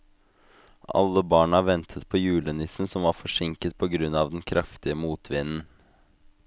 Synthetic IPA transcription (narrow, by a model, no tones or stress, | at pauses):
ʔɑ̰lːəbɑːɳɑʋɛnt̪ʰət̪pʰɔjʉːlənɪsn̩sɔmʋɑɾfɔʂɪŋkət̪̚pʰɔɡɾʉnɑʋd̪ɛnkʰɾɑft̪ɪəmuːt̪ʰʋɪnn̩